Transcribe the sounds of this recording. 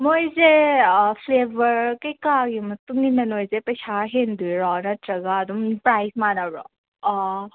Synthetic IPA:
mojzepʰlebʱɐɾkɐjkaɡimɐtuŋɡinɐnojzepɐjsʰaɦendujɾɔnɐtɾɐɡaːd̪umpɾajsmanabɾɔ̰

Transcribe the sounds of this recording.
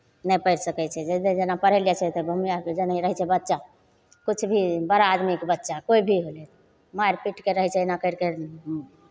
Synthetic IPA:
nəpəɪɾsəkɛt͡ʃʰɛd͡ʒɛd̪ed͡ʒenapəɾeljat͡ʃʰɛt̪obʱəmijaked͡ʒenaɦiɾəɦɛt͡ʃʰɛbətːʃa | kut͡ʃʰbʱibəɾaːd̪mikbətːʃakoibʱiɦolɛt̪ | majɾpiʈkeɾəɦɛt͡ʃʰɛnakəɪɾke

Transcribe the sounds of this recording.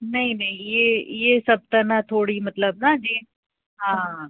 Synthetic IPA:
nɐɦĩnɐĩjeːjeːsɐb̚t̪ɐnãt̪ʰoːɽimɐt̪ləb̚nad͡ʒiː | ɦãː

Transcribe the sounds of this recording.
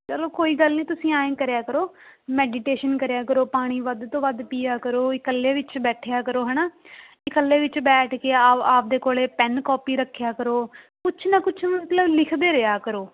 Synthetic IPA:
t͡ʃəloːkoːiːɡəlniːt̪ʊsĩːaːẽːkəɾjaːkəɾoːmɛːɖiʈeːʃənkəɾjaːkəɾoːpaːɽ̃iːʋəd̪t̪õːʋəd̪piːaːkəɾoːɪkəlːeːʋɪt͡ʃbɛːʈʰejaːkəɾoːɦɛːnaː | ɪkəlːeːʋɪt͡ʃbɛːʈʰkeːaaːp̚d̪eːkoːleːpɛnkɔːpiːɾəkʰːjaːkəɾoː | kʊt͡ʃʰnəkʊt͡ʃʰmət̪ləblɪkʰd̪eːɾɪaːkəɾoː

